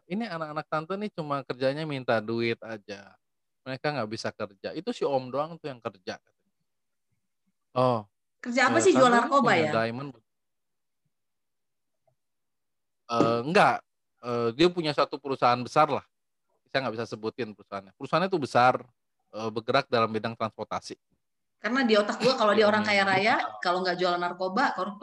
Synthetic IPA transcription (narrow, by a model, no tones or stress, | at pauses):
inianakanak̚t̪ant̪ənɪt͡ʃumakərd͡ʒaɲamint̪aduɪt̪̚ad͡ʒa | məɾekaŋɡaʔbisakərd͡ʒait̪usɪhɔmdoaŋt̪ujaŋkərd͡ʒa̰kat̪aɲa | ɔ | kərd͡ʒaːpasɪhd͡ʒualarkobajadaimənbut̪ | əːŋɡaʔ | əːdiapuɲasat̪upəɾusaɦanbəsarlah | isajaŋɡabisasəbut̪ɪnpəɾusaɦanɲapəɾusaɦanɲat̪ubəsar | əːbəɡəɾak̚dalambedaŋt̪ɾanspɔrt̪asi | karənadiaot̪ak̚duakalodiaoɾaŋkajaɾajakaloŋɡaʔd͡ʒualanarkobakaɾ